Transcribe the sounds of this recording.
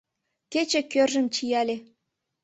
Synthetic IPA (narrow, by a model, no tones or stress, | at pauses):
kʲet͡ɕĕkʲørʲʒɘ̆mt͡ɕijɑlʲĕ